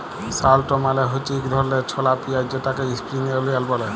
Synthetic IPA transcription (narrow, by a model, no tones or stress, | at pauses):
salʈomaleɦot͡ʃikd̪ʱɔɾlet͡ɕʰɔlapiajd͡ʑeʈakeispɾiniolujalbɔle